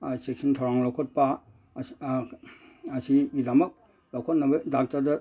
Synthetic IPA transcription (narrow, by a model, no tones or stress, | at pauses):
sek̚sintʰawɾaŋlɔkʰɔt̚pa | ɐsiɡidamɐk̚ | lɔkʰɔt̚nɐbɐdak̚taɾdɐ